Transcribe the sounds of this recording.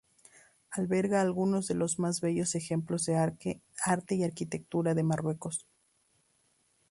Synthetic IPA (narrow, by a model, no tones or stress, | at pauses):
alβe̞ɾɣaːlɣuno̞zðe̞lo̞zmazβeʝo̞se̞xe̞mplo̞zðe | aɾt̪eiaɾkit̪e̞k̚t̪uɾaðe̞marwe̞ko̞s